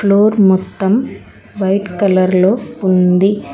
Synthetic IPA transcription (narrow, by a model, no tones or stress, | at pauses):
floːɾmɔt̪ːɐm | ʋɐjʈkɐlɐɾloːund̪i